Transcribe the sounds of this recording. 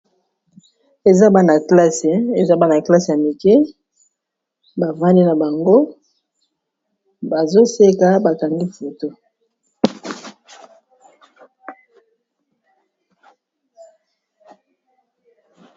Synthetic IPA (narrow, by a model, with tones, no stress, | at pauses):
e˨za˦ba˦na˨kla˦se˨e˨za˦ba˦na˨kla˦se˨ja˨mi˨kɛ˦ | ba˨va˦ndi˦na˨ba˨ŋɡo˦ | ba˨zo˦se˦ka˦ba˨ka˨ŋdi˦fo˨to˦